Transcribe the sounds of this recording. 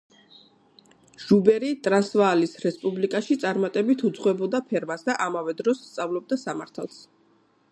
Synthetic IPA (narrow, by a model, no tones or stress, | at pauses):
ʒ̥ubɛɾit̪ʼɾasvaːlisɾɛspʼublikʼaʃit̪sʼaɾmat̪ʼɛbit̪ʰud̪zʁwɛbɔd̪apʰɛɾmasd̪aʔamavɛd̪ɾɔsːt̪sʼavlˠɔb̚d̪asamaɾt̪ʰa̰lˠs